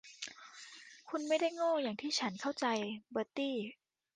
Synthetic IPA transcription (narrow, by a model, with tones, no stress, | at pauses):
kʰu˧nma˥˩jda˥˩jŋoː˥˩jaː˨˩ŋt̪ʰiː˥˩t͡ɕʰa˦˥nkʰa˥˩wt͡ɕa˧jbɤː˧t̪iː˥˩